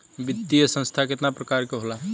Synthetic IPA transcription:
bit̪ːijəsə̃st̪ʰaket̪napɾəkaɾkeɦola

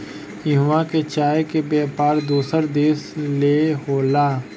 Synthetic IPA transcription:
ɪɦʋãket͡ʃaːekebɛːpaːɾd̪oːsəɾd̪eːsleɦoːlaː

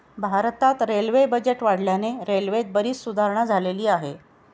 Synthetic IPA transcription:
bʱaɾt̪at̪ɾelʋebəd͡ʑeʈʋaɽ̤ljaneɾelʋet̪̚bəɾiːt͡ssud̪ʱaɾɳad͡zʱaleliːaɦe

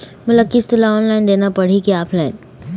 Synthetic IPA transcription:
mʊləkist̪ɪlaɔːnlaɪnd̪eːnapɐɽ̤ikiaːpʰlaɪn

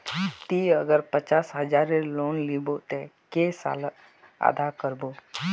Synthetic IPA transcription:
t̪iəɡəɾpət͡ʃaːsɦəd͡ʒaɾeloːnlibot̪ekesa̰l | a̰d̪akəɾbo

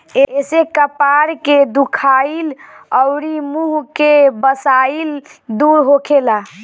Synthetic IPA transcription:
eesekəpaɾked̪ukʰailəʊɾimuɦkebəsaild̪uɾɦokʰela

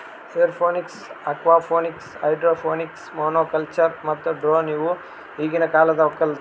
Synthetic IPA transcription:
seɾpʰoːniksɐkʋaːpʰoːniksɐjɖɾoːpʰoːniksmoːnoːkɐlt͡ʃɐɾmɐt̪ːuɖɾoːniːʋu | ɦiːɡinɐkaːlɐd̪ɐɔkːɐl

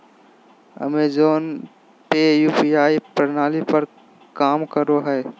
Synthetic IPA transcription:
ɐ̰meːzoːn | pejuːpijaːipɾɐnaːlipɐɾ | kaːmkəɾoɦɛː

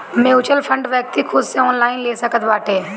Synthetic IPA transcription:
mẽːʊt͡ʃəlpʰə̃ɳɖʋɛːk̚t̪ikʰʊd̪seɔːnlaːɪnleːsəkət̪ʋaːʈeː

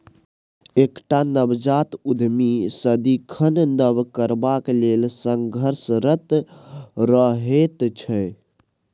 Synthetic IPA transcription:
ekʈanəbd͡ʒat̪ud̪ʱmisəd̪ikʰənnəbkəɾbaklelsəŋɡʱəɾsɾət̪ | ɾəɦet̪t͡ʃʰə

